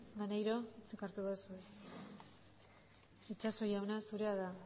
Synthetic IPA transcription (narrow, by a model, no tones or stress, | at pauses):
manejɾo̞t͡sekaɾt̪uðosues | it͡ʃaso̞jawnasuɾe̞aða